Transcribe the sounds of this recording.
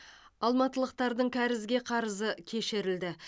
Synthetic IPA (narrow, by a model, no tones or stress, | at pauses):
ɑlˠmɑt̪əlˠəq̚t̪ɑɾd̪əɴkʲʰæɾɪzɡʲe̞qʰɑɾəzəkʲʰe̞ʃɪɾɪld̪ɪ